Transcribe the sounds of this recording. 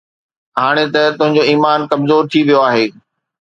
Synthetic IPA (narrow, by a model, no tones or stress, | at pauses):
ɦaːɽ̃et̪ɐt̪ʊ̃ɦɪ̃ɲd͡ʑoiːmaːnkɐmzoːɾt̪ʰiʋijoaːɦeː